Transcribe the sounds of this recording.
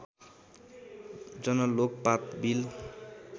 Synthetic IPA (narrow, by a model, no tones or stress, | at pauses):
d͡zʌnʌlok̚pakbil